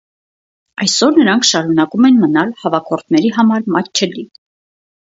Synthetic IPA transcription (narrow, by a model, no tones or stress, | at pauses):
ɑjsɔɾnəɾɑŋkʰʃɑɾunɑkumɛnmənɑlhɑvɑkʰɔɾt̪ʰnɛɾiɦɑmɑɾmɑt̪t͡ʃʰəli